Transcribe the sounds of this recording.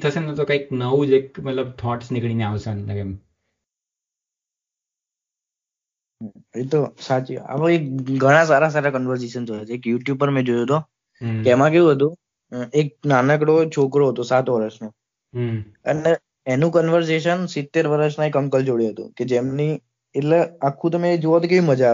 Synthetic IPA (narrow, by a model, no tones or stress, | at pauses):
t̪ʰəsenət̪okaik̚nəʋũd͡ʒekmət̪ləbt̪ʰɔʈsnɪkɽ̃ineaʋsənlɡem | et̪osat͡ʃia̰ʋekɡʱəɽ̃ãs̬aɾasaɾakənʋəɾs̬eʃənt̪ojot͡ʃeekjuʈjub̚əɾmɛ̃d͡ʒojoɦət̪o | eɛmãkejũɦət̪ũ | ek̚nanəkɽot͡ʃʰokɾoɦət̪osat̪ʋəɾəʃno | əne | enũkənʋəɾs̬eʃ̬ənsɪt̪ːeɾʋəɾəʃnaekəmkəld͡ʒoɽiɦət̪ṵ̃ked͡ʒemni | eʈleakʰːũt̪əmẽd͡ʒoət̪okeʋĩməd͡ʒa